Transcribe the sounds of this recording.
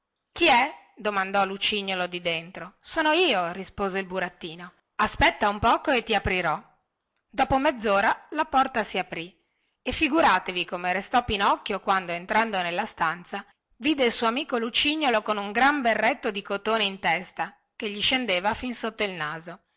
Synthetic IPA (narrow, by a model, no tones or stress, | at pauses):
k̟iɛ | d̪omand̪ɔlut͡ʃiɲːolod̪id̪ent̪ɾosoːnoiːorispoːzeilbuɾat̪ːiːno | aspɛt̪ːaumpɔːkoet̪ːiapɾiɾɔ | d̪ɔːpomed̪zːoːɾalapɔrt̪asiapɾi | efːiɡuɾaːt̪evikomeɾest̪ɔpːinɔkːjokwand̪oent̪ɾand̪onelːast̪ant̪sa | viːd̪eilsuoamiːkolut͡ʃiɲːolokonuŋɡɾamberːet̪ːod̪ikot̪oːneint̪ɛst̪a | keʎːiʃend̪eːvafinsot̪ːoilnaːzo